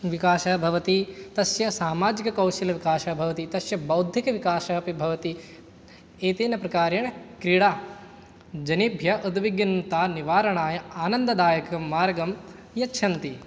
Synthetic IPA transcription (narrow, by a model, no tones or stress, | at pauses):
ʋikaːʃɐbʱɐʋɐt̪it̪ɐsjɐsaːmaːd͡ʒikɐkɐwʃilɐʋikaːʃɐbʱɐʋɐt̪it̪ɐsjɐbɐwd̪ʱjikɐʋikaːʃɐɦɐpibʱɐʋɐt̪i | eːt̪eːnɐpɾɐkaːɾjɐɳɐkɾiɽaː | d͡ʒɐnibʱjɐʔud̪ʋiɡjɐnt̪aːniʋaːɾɐɳaːjɐaːnɐnd̪ɐd̪aːjɐkɐmːaːɾɐɡɐm | jɐtːʃʰɐnt̪i